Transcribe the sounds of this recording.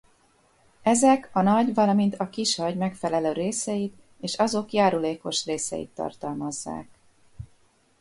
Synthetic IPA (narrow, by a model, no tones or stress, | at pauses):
ɛzɛkɒnɒɟvɒlɒmint̪ɒkiʃhɒɟmɛkfɛlɛløːɾeːsɛjit̪ | eːʃɒzo̞kjaːɾuleːko̞ʃreːsɛ̰jḭt̪ːɒ̰rt̪ɒlmɒzːa̰ːk